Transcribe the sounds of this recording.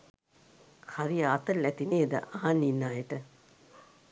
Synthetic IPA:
kʰaɾijaːt̪əlːæt̪ineːd̪ə̰ʔaanːinːaːjəʈə

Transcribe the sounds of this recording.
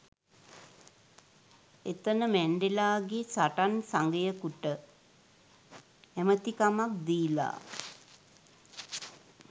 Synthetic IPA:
et̪ənəmæɳɖelaːɡesaʈansaŋɡəjəkuʈə | æmət̪ikamak̚d̪iːla̰

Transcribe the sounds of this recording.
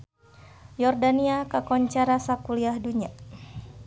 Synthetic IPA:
jɔrdaniakakɔɲt͡ʃaɾasakuliahduɲa

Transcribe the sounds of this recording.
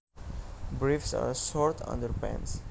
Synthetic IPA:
bɹifsa̰ɹsɔɾt̪ʰʌ̰̃ndəɾpæ̰̃ns

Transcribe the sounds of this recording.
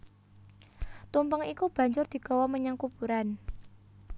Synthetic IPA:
t̪umpəŋikub̥ä̤ɲd͡ʒʊrd̪̥i̤ɡ̥a̤waməɲaŋkub̥uɾan

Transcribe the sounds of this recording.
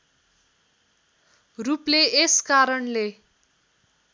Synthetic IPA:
rupleːskaɾʌɳle

